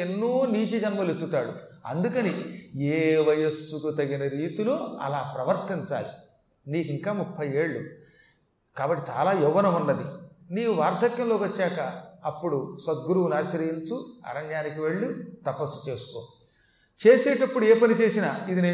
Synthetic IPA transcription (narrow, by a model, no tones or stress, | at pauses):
enːuːniːt͡ʃid͡ʒɐnmɐlet̪ːut̪aːɽuɐ̰nd̪ukɐnieːʋɐjesːukut̪ɐɡinɐɾiːt̪iloːɐ̰laːpɾɐʋɐɾt̪iɲt͡ʃa̰ːli | niːkiŋkaːmupʰːɐje̞ːɭːu | kaːbɐʈːit͡ʃaːlaːjuʋːɐnɐmunːɐd̪iniːkuʋaːɾd̪ʱɐkjɐmlo̞ːkʋɐt͡ʃːaːkɐːpːuɽusɐt̪̚ɡuɾuːnaːsɐɾɐjint͡ʃuɐ̰ɾɐɲjaːnikiʋe̞ɭːut̪ɐpɐsu̥t͡ʃe̞ːsu̥konu | t͡ʃeːseːʈɐpːuɽueːpɐnit͡ʃe̞ːsinaid̪ineː